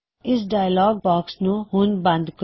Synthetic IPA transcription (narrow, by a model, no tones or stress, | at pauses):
ɪs̬ɖaːjəlɔːɡ̚bɔːksnũɦʊnbɐ̃nd̪k